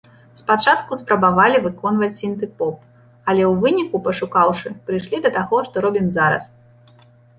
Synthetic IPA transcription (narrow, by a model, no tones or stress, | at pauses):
spat͡ʂat̪kuspɾɐbavalʲivɨkɔnvɐt͡sʲsʲint̪ɨpɔp̚ | ɐlʲɛwvɨnʲikupɐʂukawʂɨpɾɨjʂlʲid̪ɐt̪aɣɔʂt̪ɔɾɔbʲimzaɾɐ̰s